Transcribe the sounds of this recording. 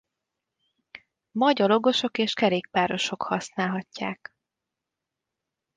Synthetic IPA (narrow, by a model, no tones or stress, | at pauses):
mɒɟɒlo̞ɡo̞ʃo̞keːʃkɛɾeːk̚paːɾo̞ʃo̞khɒsnaːlɦɒcːaːk